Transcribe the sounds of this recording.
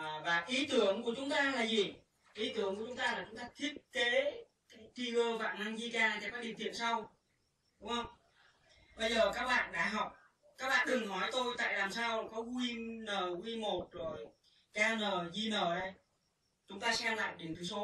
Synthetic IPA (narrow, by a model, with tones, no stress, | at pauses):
vaː˨˩ʔi˨˦t̪ɨ˨˦əŋku˨˧˩ət͡ɕʊ˨˦ŋ͡mt̪aː˧laː˨˩zi˨˩ | ʔi˨˦t̪ɨ˨˦əŋku˧˩ət͡ɕʊ˨˦ŋ͡mt̪aː˧laː˨˩t͡ɕʊ˨˦ŋ͡mt̪aː˧t̪ʰi˦˥ət̚ke˨˦ | ka˨˦t̪ʰi˧ɣəː˧va̰ː˧˨na˧ŋzi˧kaː˧˩t͡ɕɛ˧wkaː˦˥ɗḭ˧˩˨t̪ḭ˧˨ənsa˧w | ɗʊ˨˦ŋ͡mhə˧wŋ͡m | ɓə˧jzəː˨˩kaː˦˥k̚ɓa̰ː˧˨nɗa̰ː˧˥ɦɔ˨˩wk͡p̚ | kaː˦˥k̚ɓa̰ː˧˨ɗɨ˨˩ŋnɔ˨˦jt̪o˧jt̪a̰ː˧˨jlaː˨˩msaː˧wkɔ˨˦kwi˧nəː˨˩kwi˧mo˨˩t̚zo˨˩j | kaː˧nəː˨˩zi˧nəː˨˩ɗə˧j | t͡ɕʊ˨˦ŋ͡mt̪aː˧sɛ̰˧ʔnla̰ː˧˨jɗi˨˩əŋt̪ʰɨ˨˦so˨˦